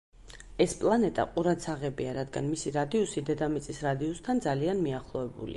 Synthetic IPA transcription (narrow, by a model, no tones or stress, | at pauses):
ɛspʼlˠanɛt̪ʼa̰qʼuɾat̪sʰaʁɛbiaɾad̪ɡanmisiɾad̪iɔsid̪ɛd̪amit̪sʼisɾad̪iɔst̪ʰand̪zalianmiaχlˠɔvɛbṵlḭ